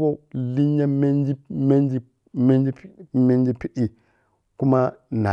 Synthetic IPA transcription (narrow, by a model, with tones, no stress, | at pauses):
bo˦li˦ɲːa˦me˦n˦d͡ʒi˦me˦n˦d͡ʒi˦ | me˦nd͡ʒi˦me˦n˦d͡ʒi˦pi˦ʔi˨ | ku˦ma˦na˨